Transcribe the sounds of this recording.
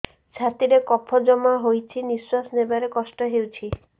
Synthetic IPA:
t͡ʃʰat̪iɾekɔpʰɔd͡ʒɔmaɦojt͡ʃʰiniswasɔnebaɾekɔsʈɔɦewt͡ʃʰi

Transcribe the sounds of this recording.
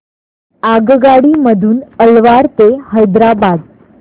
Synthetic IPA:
aɡɡaɽiməd̪ʱuːnəlʋaɾt̪ehəjd̪ɾabad̪

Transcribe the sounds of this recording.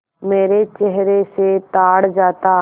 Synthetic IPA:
meːɾet͡ʃɛɦɾeset̪aːɽd͡ʒaːt̪a

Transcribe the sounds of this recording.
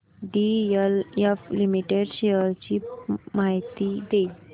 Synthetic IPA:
ɖiəljaflimiʈeɖɕejəɾt͡ɕipmaɦt̪id̪ei

